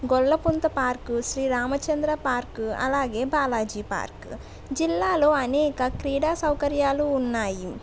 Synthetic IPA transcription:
ɡɔɭːɐpunt̪ɐpaːɾkuʃɾiːɾaːmɐt͡ʃɐnd̪ɾɐpaːɾkuɐ̰laːɡe̞ːbaːlaːd͡ʒiːpa̰ːɾk | d͡ʒilːaːlo̞ːɐnɛːkɐkɾiːɽaːsɐwkɐɾjaːluːnːaːji

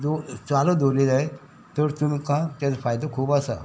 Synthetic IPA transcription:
d̪ot͡salod̪oled͡zae | t̪əɾt̪unukãt̪jat͡sfajd̪əkʰuːbasa̰

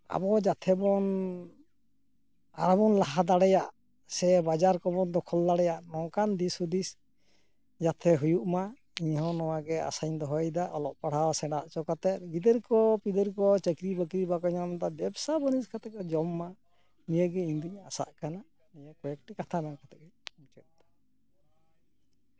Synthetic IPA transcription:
a̰bɔd͡ʒat̪ʰɛbɔn | a̰ɾɔbɔnlaɦad̪aɽɛjaʔ | sɛbad͡ʒaɾkɔbɔnd̪ɔkʰɔld̪aɽɛjaʔnɔkand̪isud̪is | d͡ʒat̪ʰɛɦujuʔma | iɲɦɔ̃nɔwaɡɛa̰saɲd̪ɔɦɔjd̪aʔɔlɔʔpaɽ̤awasɛɽaʔt͡ʃɔkat̪ɛt̪̚ɡid̪əɾkɔpid̪əɾkɔt͡ʃəkɾibəkɾibakɔɲamd̪abɛbsabəniskat̪ɛkɛd͡ʒɔmːa | nijəɡɛiɲd̪uɲasa̰ʔkana | nijəkɔjɛk̚ʈɛkat̪ʰanakat̪ɛkɛmt͡ʃɛt̪̚d̪ɔ̥

